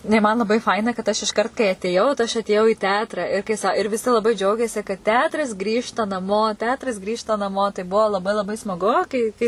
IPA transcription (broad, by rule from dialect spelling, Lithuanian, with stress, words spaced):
ˈnʊ ɪ mɐn lˠɐˈbɐɪ ˈfɐɪnɐ kɐt ˈɐʃ ɪʃˈkɐrt kɐɪ ɐtʲeːˈjɛʊ tɐɪ ˈɐʃ ɐtʲeːˈjɛʊ iː ˈtʲɛɐtrɐ ɪr kɐɪ ˈsɐ ɪr ʋʲɪˈsʲɪ lˠɐˈbɐɪ ˈd͡ʒʲɛʊɡʲeːsʲɪ kɐt ˈtʲɛɐtrɐs ˈɡrʲiːʃtɐ nɐˈmoː ˈtʲɛɐtrɐs ˈɡrʲiːʃtɐ nɐˈmoː tɐɪ ˈbuɔ lˠɐˈbɐɪ lˠɐˈbɐɪ smɐˈɡʊ kɐɪ ˈkɐɪ